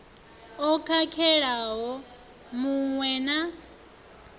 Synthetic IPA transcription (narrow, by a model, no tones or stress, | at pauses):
ɔkʰakʰɛɺaɦɔ | muŋwɛna